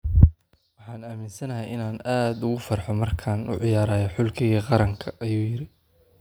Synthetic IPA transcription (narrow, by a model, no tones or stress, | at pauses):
wɑħɑːnaːmɪnsɐnɐɦɐjɪnaːnaːd̪ʊɣʊfɐrħɔmɐrkʰaːnʊ̰ʕɪjaːɾaːjɔħʊlkʰɪɣiːqɑɾɐŋkʰɐʔɐjuːjɪɾɪ